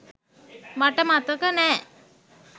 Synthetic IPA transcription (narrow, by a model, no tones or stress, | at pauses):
maʈəmat̪əkənɛː